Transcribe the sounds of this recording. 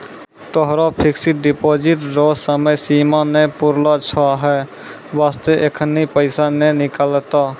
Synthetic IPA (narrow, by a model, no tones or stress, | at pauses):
t̪ɔɦɾapʰɪksiʈ̚ɖipoːd͡ʒɪʈɾosəməjsimanepʊɾlat͡ʃʰaɦɛ | ʋaːst̪eʔekʰənipəɪsanɛnɪkaːlt̪a